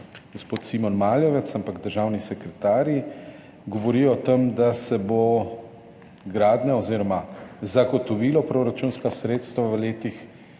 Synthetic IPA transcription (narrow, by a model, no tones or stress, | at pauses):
ɡ̥ospoːt̪simɔnmaːljɔʋɛt̪sampaɡd̪əɾʒaːwnisɛkɾɛt̪aːɾji | ɡɔʋɔɾijɔt̪əmd̪asɛbo | ɡɾaːd̪naɔziːɾɔmazaɡɔt̪ɔʋilɔpɾoɾat͡ʃunskasɾeːt̪st̪ʋaʋəleːt̪ix